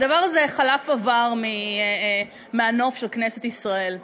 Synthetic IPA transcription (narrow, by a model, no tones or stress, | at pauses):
d̪ɐvaʁazeχalafavaʁmi | meano̞fʃelkneset̪isʁae̞l